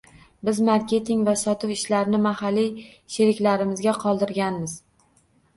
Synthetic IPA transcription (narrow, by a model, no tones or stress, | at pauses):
bɪzmaɾkʲe̞t̪ʰɪŋvasɒt̪ɪwɪʃlaɾnɪmahalːi | ʃe̞ɾɪkʲlaɾɪmɪzɡʲaqʰɒlˠd̪ɪɾɡʲanmɪz̥